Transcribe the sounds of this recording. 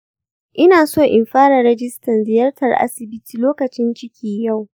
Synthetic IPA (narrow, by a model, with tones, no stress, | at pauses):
ʔɪ˦naː˨soː˦ʔɪ˨mɸaː˦ɽɐ˨ɾɛ˦d͡ʒɪ˦stɐ˨nzɪ˨jɐ˦rtʰɐ˨rʔa̰˦sɪ˨bɪ˦tiː˨loː˦kɐ˨t͡ʃɪ˦nt͡ʃɪ˦kʲʰiː˨ja˦˨w